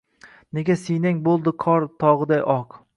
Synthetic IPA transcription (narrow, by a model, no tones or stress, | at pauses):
ne̞ɡʲasijnaŋʲbolˠd̪ɪqʰɒɾt̪ʰɒʁɨd̪ajʔɒq